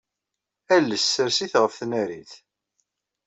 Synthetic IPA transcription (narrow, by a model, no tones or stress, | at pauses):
ælːəsːəɾsiθʁəfθnæɾiθ